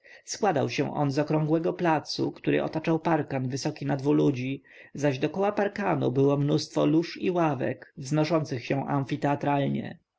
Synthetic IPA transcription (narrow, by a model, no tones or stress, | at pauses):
skwad̪a̰wɕɛ̰̃w̃ʔɔ̰nzɔkɾɔŋɡwɛɡɔplat̪sṵkt̪uɾɘ̰ʔɔ̰t̪at͡ʂawpaɾkanvɘsɔkʲinad̪vulud͡ʑi | zaʑd̪ɔkɔwapaɾkanṵbɘwɔmnust̪fɔ̰luʂḭwavɛ̰kvznɔʂɔnt̪sɘxɕɛ̃ʔamfʲit̪ɛat̪ɾalɲɛ̰